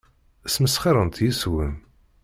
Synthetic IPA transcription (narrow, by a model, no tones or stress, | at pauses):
æsməsχiɾˤənt̪jiswəm